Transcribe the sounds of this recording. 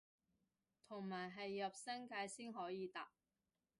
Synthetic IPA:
t̪ʰʊ˨˩ŋmaː˨˩jɦɐ˨jːɐ˨p̚sɐ˥ŋkaː˧jsiː˥nɦɔː˨˥jiː˨˧t̪aː˨p̚

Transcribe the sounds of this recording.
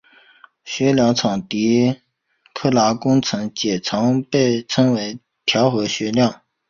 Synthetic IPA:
ɕɥɛ˧˥ljɑ˧˥ŋt͡sʰɑ˨˩ŋt̪i˧˥ | kʰɤ˥la˧˥kʊ˥ŋt͡sʰɤ˧˥ŋt͡ɕjɛ˨˩t͡sʰɑ˧˥ŋpe˥˩ɪt͡sʰɤ˥ŋwe˧˥ɪ | t̪ʰjɑ˧˥ʊxɤ˧˥ɕɥɛ˧˥ljɑ˥˩ŋ

